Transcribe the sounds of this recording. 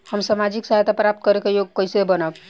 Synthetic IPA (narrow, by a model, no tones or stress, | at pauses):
həmsamad͡ʒiksəɦajt̪ʰapɾap̚t̪̚kəɾekejoɡ̚kəjsebənək